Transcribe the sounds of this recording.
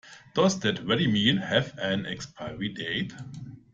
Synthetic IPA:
d̥ɔsdɛtɹɛɾimiːnhɛvæ̃nɛ̰kspʰaɪəɹideɪt

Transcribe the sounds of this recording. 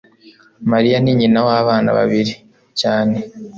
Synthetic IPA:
maɾijaniɲinawaːβaːna̰βa̰βiɾi | caːne̞

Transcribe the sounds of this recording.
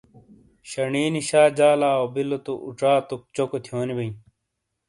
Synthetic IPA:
ɕɐɳiːniɕaːd͡ʑaːlaːobilːot̪oʔuʈ͡ʂaːt̪ok̚t͡ɕokot̪ʰjoːnibɐĩ

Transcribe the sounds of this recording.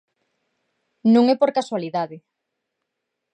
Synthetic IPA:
nũŋɛpoɾkaswaliðaðɪ

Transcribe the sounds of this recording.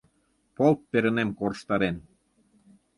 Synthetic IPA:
polt̪̚peɾə̆nemkoɾəʃt̪ɑɾen

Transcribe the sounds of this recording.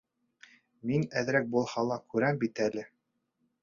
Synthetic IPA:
minæðɘ̆ɾæk̚bulˠhɑlˠɑkʉɾæmbit̪ælɘ

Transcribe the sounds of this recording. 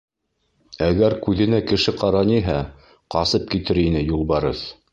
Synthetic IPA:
æɡæɾkʉðɘ̆nækɘ̆ʃɘqɑɾɑniɦæ | qɑsɤp̚kit̪ɘɾinɘjulˠβɑɾɤð

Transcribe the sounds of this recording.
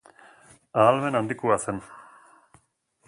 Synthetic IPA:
aːlme̞nand̪ikuasen

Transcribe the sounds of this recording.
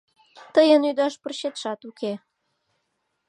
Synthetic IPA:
t̪əjənyd̪ɑʃpərɕet̪ʃɑt̪uke

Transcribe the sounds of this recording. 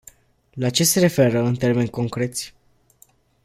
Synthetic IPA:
lat͡ʃe̞se̞ɾe̞fe̞ɾəɨnt̪e̞rme̞nʲko̞ŋkɾe̞t̪sʲ

